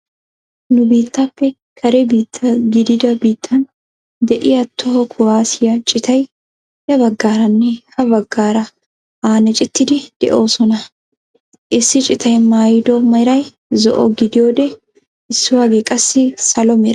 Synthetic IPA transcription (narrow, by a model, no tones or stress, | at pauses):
nʊbiːt̪ːɐpːɛ | kʰɐɾebiːt̪ʰːɐɡɪd̪ɪd̪ɐbiːt̪ʰːɐn | d̪ɛʔɪjɐt̪ʰːɔhɔkʰʊwaːsɪjɐt͡ʃʼɪt̪ʰɐj | jɐbɐɡːaːɾɐnːɛhɐbɐɡːaːɾɐ | aːnɛt͡ʃʼɪt̪ːɪd̪ɪd̪̥ɛ̰ʔoːsɔnɐ | ʔɪsːɪt͡ʃʼɪt̪ʰɐjmaːjd̪ɔmɐɾɐj | zɔ̰ʔɔ̰ɡɪd̪ɪjoːd̪ɛ | ɪsːɪwaːɡekʼɐsːɪsɐlɔmɪɾɐ